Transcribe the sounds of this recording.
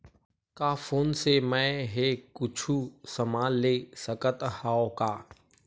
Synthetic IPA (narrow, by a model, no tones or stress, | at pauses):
kaːfʰoːnsemɛ̃ɦekʊt͡ʃʰusəmaːlːeːsəkət̪haːokaː